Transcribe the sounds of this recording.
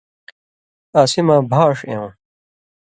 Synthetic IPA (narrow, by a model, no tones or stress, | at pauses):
aːsimabʱaːʂḛ̃w̃